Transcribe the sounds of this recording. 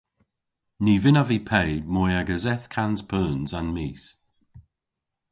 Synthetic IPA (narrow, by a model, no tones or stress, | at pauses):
niːvɪnavipʰejmɔjaɡəzɛθkʰanz̥pʰəːnzanmiːs